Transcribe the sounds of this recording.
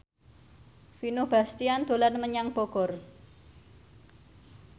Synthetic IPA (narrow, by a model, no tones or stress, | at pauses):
finʊhb̥a̤st̪iand̪̥o̤lanməɲaŋb̥oɡ̥ɔ̤r